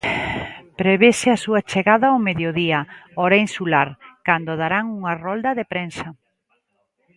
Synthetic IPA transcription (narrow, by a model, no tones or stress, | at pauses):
pɾeβesɪasuɐt͡ʃeɣaðɐwmeðjoðiɐoɾainsulaɾkand̪oðaɾaŋuŋɐrɔld̪ɐðepɾensɐ